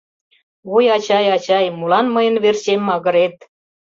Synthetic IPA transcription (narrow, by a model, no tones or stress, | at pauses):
ujɑt͡ɕɑjɑt͡ɕɑjmulɑnməjə̆nβert͡ɕemːɑɣə̆ɾet̪̚